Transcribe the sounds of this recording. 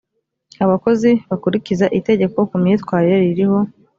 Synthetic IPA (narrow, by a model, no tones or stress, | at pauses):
aβako̞ziβakuɾicizaʔite̞ɟe̞ko̞kumɲiːtwaːɾiɾeɾiɾiho̞